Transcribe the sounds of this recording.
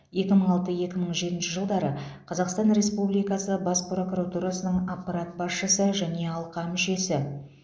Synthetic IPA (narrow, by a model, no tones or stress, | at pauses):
je̞kʲɪməɴɑlˠt̪əje̞kʲɪməɴʒe̞t̪ɪnʃɪʒəlˠd̪ɑɾəqʰɑzɑqst̪ɑnɾe̞spublijkɑsəbɑspro̞kuɾat̪uɾasənəɴapːaɾat̪̚bɑsʃəsəʒæne̞ɑlˠqɑmɪʃe̞sɪ